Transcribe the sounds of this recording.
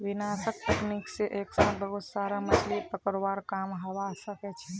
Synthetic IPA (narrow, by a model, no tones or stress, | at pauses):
ʋinasək̚t̪əknikseʔeksãbəɦut̪saɾamət͡ʃʰlipəkəɾbaɾkamɦoʋasəkɛt͡ʃʰɛ